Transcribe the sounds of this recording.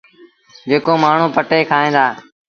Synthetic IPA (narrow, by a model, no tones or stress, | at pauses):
d͡ʒeːkoːmaːɳ̤ũːpəʈeːkʰaːẽːd̪aː